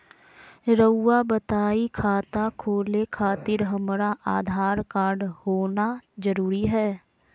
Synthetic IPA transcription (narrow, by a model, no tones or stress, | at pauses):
ɾəʊːabət̪aːikʰaːt̪akʰoːlekʰaːt̪ɪɾɦəmɾaʔaːd̪ʱaːɾkaːɾɖhoːnazəɾuːɾiɦɛː